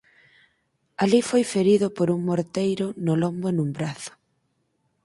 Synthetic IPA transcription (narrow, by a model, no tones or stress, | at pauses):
alifojfeɾiðʊpoɾuŋmoɾt̪ejɾʊnʊlombʊenumbɾaθʊ̥